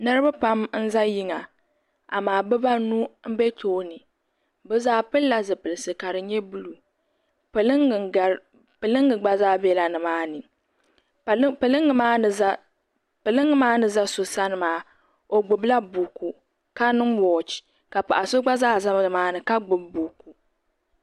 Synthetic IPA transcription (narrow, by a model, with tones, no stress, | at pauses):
nɨ˦ɾɨ˦ba˦pa˦mn̩˦za˦ji˦ŋa˨ | a˨maː˨bɨ˦ba˦nu˦m̩˦bɛ˦tʰoː˦nɨ˨ | bɨ˦zaː˦pɨ˦lːa˨zɨ˨pɨ˨lɨ˨sɨ˨ka˨ɾɨ˨ɲɛ˦bu˦lu˨ | pɨ˨lŋ˨˦ | pɨ˨lɨ˦ŋːɨ˨ɡ͡ba˦zaː˦bɛ˦la˨nɨ˨maː˦nɨ˨˦ | pɨ˨lɨ˦ŋːɨ˨˦maː˦˨a˦ | pɨ˨lɨ˦ŋːɨ˦maː˦nɨ˨za˦so˨sa˦nɨ˨maː˨˦ | o˨ɡ͡bʊ˨bla˦bu˨ku˨ | ka˦nɨ˦ŋwɔː˨t͡ʃi̥˨ | ka˨pa˨ʔa˨so˦ɡ͡ba˦zaː˦˨za˦m˦ɨ˨maː˦nɨ˨ka˦ɡ͡bʊ˨bbuː˨ku˨